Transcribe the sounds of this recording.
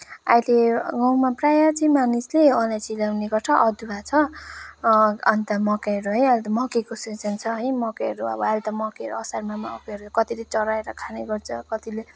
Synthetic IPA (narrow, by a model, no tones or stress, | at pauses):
a̰jleɡʌwmaprajat͡sʌĩmanisleʌlat͡silawneɡʌʈʰʌʔʌd̪ubat͡sʰʌ | ʌnt̪ʌmʌkeɦʌɾuɦʌjalt̪ʌmʌkekoset͡sʌnt͡sʰʌɦʌjmʌkeʌɾuʌ̰bʌalt̪ʌmʌkeʌɾuʌsarmamaʌ̰keʌɾukʌt̪ilet͡sʌɾaeɾʌkʰaneɡʌrt͡sʰʌkʌt̪ile